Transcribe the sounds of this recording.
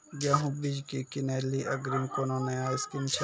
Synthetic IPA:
ɡjaːɦũbid͡ʒkikineliʔɐɡɾimkonõneaskint͡ʃʰ

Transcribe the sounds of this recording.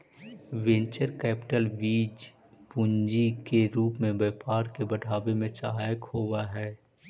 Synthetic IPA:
ʋẽnt͡ʃəɾkɛːpɪ̥ʈəlʋiːd͡ʒ | puɲd͡ʒikeɾuːpmẽbɛːpaːɾkebəɖʱaːbemẽsəɦaːjəkhoːwaɦɛː

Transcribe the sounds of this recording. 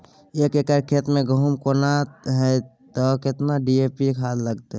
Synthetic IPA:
ekekəɾkʰet̪mẽɡəɦumkonatɦɛ | t̪ɔkɪt̪naɖiepikʰad̪ləɡt̪e

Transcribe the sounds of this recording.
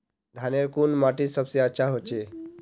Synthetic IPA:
d̪ʱaneɾkunmaʈisəbseətːt͡ʃʰaɦot͡ʃe

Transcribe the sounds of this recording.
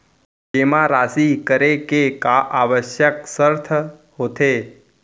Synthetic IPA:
d͡ʒemãɾaːsikəɾekekaʔaʋəʃjəksəɾt̪ʰəɦoːt̪ʰe

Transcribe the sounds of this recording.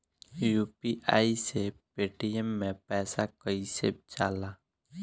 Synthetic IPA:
juːpiʔa̰ːisepeːʈiɛmːẽpɛːsakəisḛbt͡ʃaːlaː

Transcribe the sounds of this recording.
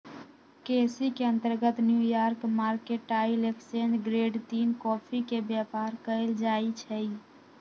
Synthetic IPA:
kesikeə̃nt̪əɾɡət̪njujaɾkmaɾkeʈʈaileksend͡ʒɡɾeɖt̪iːnkɔpʰikebjapaɾkəɪld͡ʒait͡ʃʰəj

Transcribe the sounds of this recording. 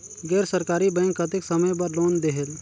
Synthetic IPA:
ɡɛːɾsəɾkaːɾibɛ̃ŋkət̪ɪksɐməjbəɾloːnd̪eɦel

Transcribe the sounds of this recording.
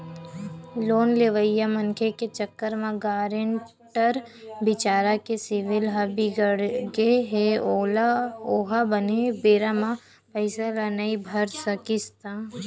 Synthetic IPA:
loːnleʋəjamɐnkʰeket͡ʃəkːəɾmãɡaːɾɪɳ | ʈəɾbɪt͡ʃaːɾakesɪʋɪlɦabiɡəɽɡeɦeoloːɦabənebeːɾamã | pəɪsalanɐibʱɐɾsəkɪst̪ãː

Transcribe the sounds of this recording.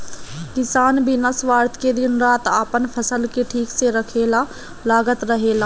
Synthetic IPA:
kɪsaːnbʱinasʋaːɾt̪ʰked̪ɪnɾaːt̪aːpənpʰəsəlkeʈʰiːkseɾəkʰeːlaː | laːɡət̪ɾəɦeːlaː

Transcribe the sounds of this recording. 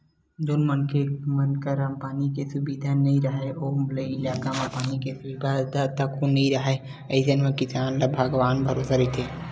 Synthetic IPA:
d͡ʒoːnmənkemənkəɾəmpaːnikesʊbid̪ʱanəĩɾəɦeʔoːleɪlaːkampaːnikesʊbid̪ʱat̪at̪əkonəĩɾəɦe | əɪsənmekɪsaːnlabʱəɡʋaːnbʱəɾoːsɾət̪ʰe

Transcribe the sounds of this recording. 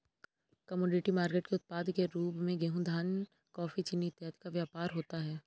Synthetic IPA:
kɐmɔːɖɪʈimaːɾkeːʈkeʊt̪̚paːd̪keɾuːpmẽɡeɦʊ̃d̪ʱaːn | kɔːfit͡ʃɪnːiɪt̪jət̪kaʋjaːpaːɾɦoːt̪aɦɛː

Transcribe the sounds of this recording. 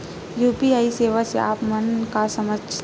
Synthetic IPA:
juːpiaːiseːʋasḛa̰ːpmənkasɐməd͡ʒ

